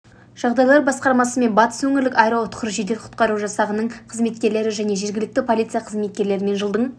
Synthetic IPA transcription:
ʒ̥ɑʁd̪ɑjlˠɑɾbɑsqɑɾmɑsəme̞nbɑt̪ə̥swɵŋʲɪɾlɪkʲɑjɾɑʊt̪qəɾʒid̪eqʰʊ̥t̪̚qɑɾuʒɑsɑʁənəɴqʰəzme̞t̪̚kʲe̞ɾle̞ɾɪʒæne̞ʒe̞ɾɡʲɪlɪk̚t̪ɪpʰo̞lʲit̪sɨjaɑqʰəzme̞t̪̚kʲe̞ɾle̞ɾɪme̞nʒəlˠd̪əɴ

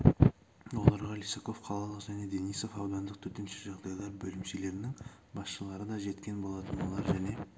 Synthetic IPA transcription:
wo̞lˠɑɾʁɑlijsoko̞fqʰɑlˠɑlˠəqʒæne̞d̪e̞nijso̞fɑwd̪ɑnd̪əq̚t̪ʰɵt̪e̞nʃeʒɑʁd̪ɑjlˠɑɾbɵlɪmsele̞ɾɪnɪŋ | bɑsʃəlˠɑɾəd̪ɑʒe̞t̪kʲe̞nbo̞lˠɑt̪ənolˠɑɾʒæne̞

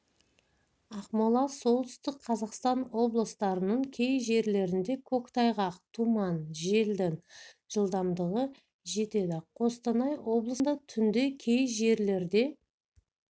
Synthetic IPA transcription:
ɑqmolˠɑso̞lˠt̪ʰʏ̥st̪ɪkqʰɑzɑqst̪ɑnwo̞blˠəst̪ɑɾənəɴkʲʰe̞jʒe̞ɾle̞ɾɪnd̪e̞kʲʰokt̪ʰɑjʁɑqt̪ʰumɑnʒe̞ld̪ɪŋʒ̥əlˠd̪ɑmd̪əʁə | ʒe̞t̪e̞d̪ɪqʰo̞st̪ɑnɑjwo̞blˠəsd̪ɑt̪ʰʏnd̪e̞kʲʰe̞jʒe̞ɾle̞ɾd̪e̞

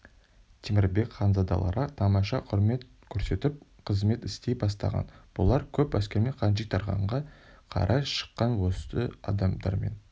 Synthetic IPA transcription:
t̪ʲʰemɪɾbe̞kχɑnzɑd̪ɑ̰lˠɑ̰ɾɑt̪ʰɑmɑʃɑqʰʊɾme̞t̪ | kʲʰɵɾse̞t̪ɪp̚qʰəzme̞t̪ɪst̪e̞jbɑst̪ɑ̰ʁɑ̰nb̥ʊlˠɑɾkʲʰɵpæskʲe̞ɾme̞ɴqʰɑnʒikt̪ʰɑɾʁɑ̰ɴʁɑqʰɑ̰ɾʔɑʃə̥qːɑnwost̪əɑ̰d̪ɑmd̪ɑ̰ɾme̞̰n

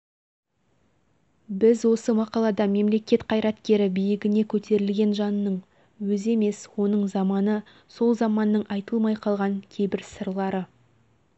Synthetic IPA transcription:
bɪzwo̞səmɑqɑlˠɑd̪ɑme̞mle̞kʲe̞t̪qʰɑjɾɑt̪kʲe̞ɾɪbijɪɡʲɪne̞kʲʰɵt̪e̞ɾɪlɡʲe̞nʒɑnːəɴ | wɵze̞me̞swo̞nəɴzɑmɑnə | so̞lˠzɑmɑnːəɴʔɑjt̪əlˠmɑjqʰɑlˠʁɑŋkʲʰe̞jbɪɾsəɾlˠɑɾə

